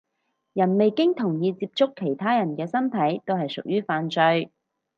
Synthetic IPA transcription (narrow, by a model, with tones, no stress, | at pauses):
jɐ˨˩nme˨jkɪ˥ŋt̪ʰʊ˨˩ŋjiː˧t͡siː˧˥p̚t͡sʊ˥kʰːe˨˩jt̪ʰaː˥jɐ˨˩nkɛː˧sɐ˥nt̪ʰɐ˨˥jt̪o˥wɦɐ˨jsʊ˨k̚jyː˥faː˧nt͡sɵ˧ɥ